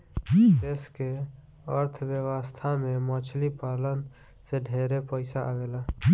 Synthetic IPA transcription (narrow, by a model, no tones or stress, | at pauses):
eːske | ə̰ɾt̪ʰʋjəwəst̪ʰamẽmɔːt͡ʃʰlipaːlən | seɖʱeːɾepəɪsaʔaɡelaː